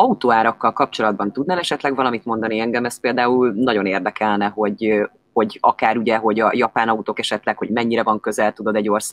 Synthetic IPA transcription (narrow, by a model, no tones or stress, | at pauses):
ɒut̪oːaːɾɒkːɒlkɒp̚t͡ʃo̞lɒd̪̚bɒnt̪ud̪nalɛʃɛt̪lɛɡvɒlɒmit̪mo̞nd̪ɒniɛŋɡɛmɛst̪̚peːld̪aːulnɒɟo̞neːrd̪ɛkɛlnɛho̞ɟ | ho̞ɟɒkaːɾuɟɛɦo̞ɟɒjɒpaːnɒut̪oːkɛʃɛt̪lɛkho̞ɟmɛɲːiɾɛvɒŋkø̞zɛlt̪ud̪o̞d̪ɛɟːo̞rsaːɡ